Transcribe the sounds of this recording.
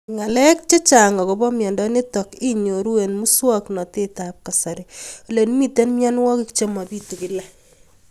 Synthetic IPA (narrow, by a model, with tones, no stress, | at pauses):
ŋa˨lɛ˦k̚t͡ʃe˦t͡ʃa˨ŋɔ˨kɔ˨bɔ˦mjɔ˨ndɔ˦ni˦tɔ˨ki˦ɲo˨ɾu˦we˨nmu˦swɔ˦knɔ˨te˦ta˨p̚ka˨sa˨ɾeo˨le˨n˦mi˦te˦nmjɔ˦nwɔ˦kɪ˦kt͡ʃe˦ma˨bi˦tu˨ki˦lɛ˦